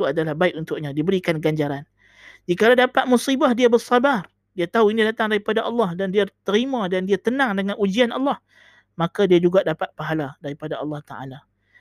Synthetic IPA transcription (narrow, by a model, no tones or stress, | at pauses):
uadalahbaɪkunt̪ʊʔ̚ɲãdibəɾikanɡaɲd͡ʒaɾan | d͡ʒikaladapat̪̚musibahdiabərsabar | diat̪aɦuinidat̪aŋdaɾipadaʔɑlːɑhdandiat̪əɾimãdandiat̪ənaŋdəŋanʔud͡ʒianɑ̰lːɑh | makadiad͡ʒuɡaʔdapat̪̚paɦaladaɾipadaʔɑlːɑht̪a̰ʔa̰la